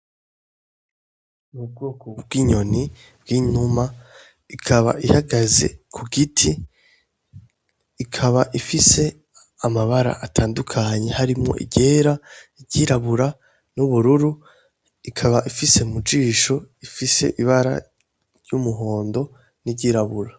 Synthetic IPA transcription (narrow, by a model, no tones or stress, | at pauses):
nub̚ɡoːkob̚ɡwiːɲo̞ni | b̥̚ɡ̥iːɲuma | ikʰaβa̰ʔihaɡaze̞̰kʰuɡitʰi | kʰaβaʔifise̞ | amaβaɾa̰ʔatʰaːndukʰaɲe̞haɾimŋo̞̰ʔḭɟe̞ːɾaɟiɾaβuɾa | nuβuɾuɾu | ikʰaβaʔifise̞umud͡ʒiːʃo̞ifise̞̰ʔiβaɾa̰ | ɾjumuɦo̞ːndo̞ | niɟiɾaβuɾa